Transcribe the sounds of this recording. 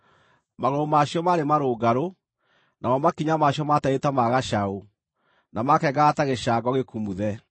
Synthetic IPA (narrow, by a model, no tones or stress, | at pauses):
maɣoomaɕjɔmaɾemaɾoːɡaɾo | nʔamɔmakiɲamaɕjɔmataetamaɣaʃau | namakɛɡataɣeʃaːɡɔɣekumuðɛ